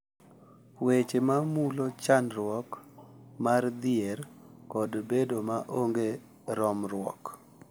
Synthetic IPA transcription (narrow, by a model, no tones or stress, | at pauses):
wet͡ʃemamulot͡ʃanɾwɔkmard̪ɪɛrkɔdbedomaʔoŋɡe | ɾɔmɾwɔ̰k